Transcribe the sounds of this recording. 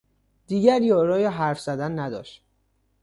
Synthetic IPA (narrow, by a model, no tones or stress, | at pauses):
d̪̥iːɟæɾjɒːɾɒːjeɦæɾfz̥æd̪ænːæd̪ɒ̰ːʃt̪